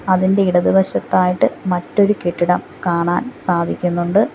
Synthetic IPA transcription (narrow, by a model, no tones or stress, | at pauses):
ɐðinde̞iɽɐðɨbʱɐɕɐt̪ːaːjiʈːɨmɐtːo̞ɾukeʈːiɽɐm | kaːɳaːnsaːd̪ʱikʲːunːuɳɖɨ